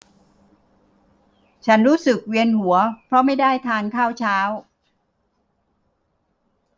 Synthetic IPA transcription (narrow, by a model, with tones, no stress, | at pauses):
t͡ɕʰa˦˥nɾuː˦˥sɯ˨˩k̚wi˧ənhu˩˦ɐpʰɾɔ˦˥ma˥˩jdaː˥˩jt̪ʰaː˧nkʰaː˥˩wt͡ɕʰaː˦˥w